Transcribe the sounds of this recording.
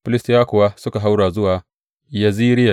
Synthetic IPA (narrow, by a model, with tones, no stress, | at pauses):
pʊ˦lɪ˦stjaː˦kʊ˨wa˦sʊ˦ka˨ɦa˦wɽaː˨zʊ˦waː˨ | ja˨ziː˦ɾɪ˦a˨